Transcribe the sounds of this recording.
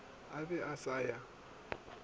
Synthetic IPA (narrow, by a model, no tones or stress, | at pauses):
abɛʔasaja